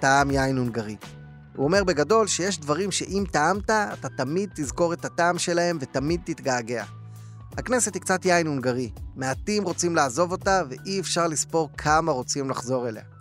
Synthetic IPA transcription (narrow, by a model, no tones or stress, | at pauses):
taamjajnunɡaʁi | ṵome̞ʁbe̞ɡado̞lʃe̞jeʃdvaʁimʃe̞ʔimtaamtaːt̪at̪amid̪̚t̪izko̞ʁe̞t̪hataːmʃe̞lahe̞mve̞tamid̪̚t̪it̪ɡaːɡe̞a̰ | hakne̞se̞t̪hikt͡satjajnunɡaʁime̞at̪imʁo̞t͡simlaːzo̞vo̞tave̞ʔiefʃaʁlispo̞ʁkʰamaʁo̞t͡simlaχzo̞ʁe̞le̞̰a